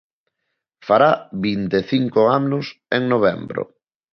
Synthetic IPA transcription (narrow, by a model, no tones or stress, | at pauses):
faɾaβint̪eθiŋkoaʊseŋnoβ̞ɛmbɾo̰